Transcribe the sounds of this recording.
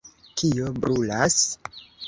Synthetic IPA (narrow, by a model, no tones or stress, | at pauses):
kiobɾulas